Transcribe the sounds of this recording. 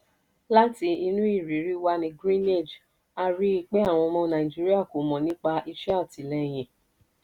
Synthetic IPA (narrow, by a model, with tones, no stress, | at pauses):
la˦ti˧˦i˧nũ˦i˦˨ɾi˨˦ɾi˦wa˦nĩ˧ɡɾĩ˦ne˦˨d͡ʒ | a˧ɾi˦i˧k͡pe˦a˦˨w̃ɔ̃˧mɔ̃˧nã˨ĩ˨d͡ʒi˦ɾi˦a˦˨ko˨mɔ̃˨nĩ˦k͡pa˧ʔi˧ʃɛ˦a˦˨ti˨˦lɛ˧˨j̃ɛ̃˨